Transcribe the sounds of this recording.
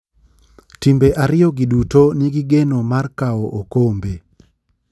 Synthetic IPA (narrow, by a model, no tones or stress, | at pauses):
timbeʔaɾɪjɔɡidutoniɡiɡenomarkaoʔokombe